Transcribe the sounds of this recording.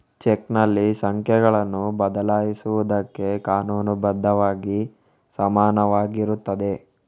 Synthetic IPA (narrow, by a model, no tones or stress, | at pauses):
t͡ʃeknɐlːisɐŋkʰjɛɡɐɭɐnːubɐd̪ɐlaːjisuʋud̪ɐkːe̞kaːnuːnubɐd̪ʱːɐʋaːɡi | sɐmaːnɐʋaːɡiɾut̪ːɐd̪e̞